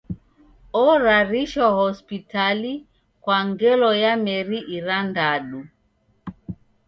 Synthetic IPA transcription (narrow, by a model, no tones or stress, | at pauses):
ɔɾaɾiʃɔhɔspitali | kwaŋɡɛlɔjamɛɾiʔiɾandaɗu